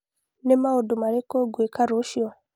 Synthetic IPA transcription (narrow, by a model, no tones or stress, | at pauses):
nemaodomaɾekoɡwekaɾoʃjɔ